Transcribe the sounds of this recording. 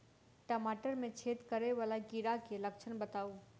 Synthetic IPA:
ʈəmaːʈəɾmẽt͡ʃʰeːt̪kɐɾeʋaːlaɡiɾakelɐkʃʰənbɐt̪aːoː

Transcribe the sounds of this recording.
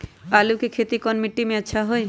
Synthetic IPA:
alukekʰet̪ikɔnmiʈːimeətːʃʰaɦoe

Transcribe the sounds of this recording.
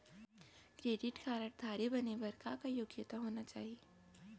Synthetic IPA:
kɾeːɖɪʈkʰaːɾəʈ̚d̪ʱaːɾibɐnebɐɾkakajʊɡjɪt̪aɦoːnat͡ʃaːɦieː

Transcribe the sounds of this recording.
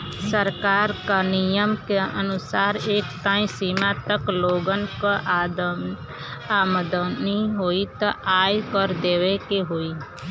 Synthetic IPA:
səɾkaːɾkanɪjəmkeənʊsaːɾeːkt̪aːĩsiːmãt̪əkloːɡənkaʔ | aːməd̪əniɦoːit̪aʔaːjkəɾd̪eːʋekeɦoːi

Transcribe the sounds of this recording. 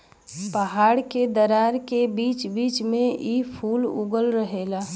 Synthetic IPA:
pəɦaːɽked̪əɾaɾkebiːt͡ʃbiːt͡ʃmẽʔipʰuːlṵɡəlɾəɦeːla

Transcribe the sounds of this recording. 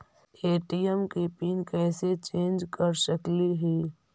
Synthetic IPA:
eːʈijəmkipiːnkɛːset͡ʃẽːnd͡ʒkəɾsəkliɦiː

